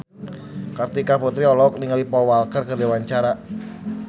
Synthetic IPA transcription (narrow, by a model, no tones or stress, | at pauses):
kart̪ikaput̪ɾiɔlɔk̚niŋalipɔwalkərkərdiwaɲt͡ʃaɾa